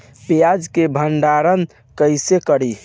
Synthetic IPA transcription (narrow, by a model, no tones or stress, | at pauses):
pejad͡ʒkebʱəɳɖaɾən | kəɪsekəɽi